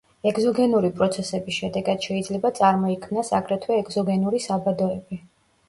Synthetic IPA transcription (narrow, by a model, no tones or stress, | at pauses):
ɛɡzɔɡɛnuɾipʼɾɔt̪sʰɛsɛbisʃɛd̪ɛɡad̪̥ʃɛid̪zlɛbat̪sʼaɾmɔikʰmnasakʼɾɛt̪ʰwɛːɡzɔɡɛnuɾisabad̪ɔɛbi